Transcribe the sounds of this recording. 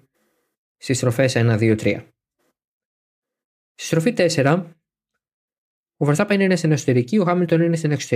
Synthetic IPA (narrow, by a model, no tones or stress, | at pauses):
st̪ist̪ɾo̞fe̞senɐðiot̪ɾiɐ̰ | st̪ist̪ɾo̞fit̪e̞se̞ɾɐ | ovoθɐpɐininest̪ineksot̪eɾicioxɐmilt̪o̞ninest̪ine̞ksot̪e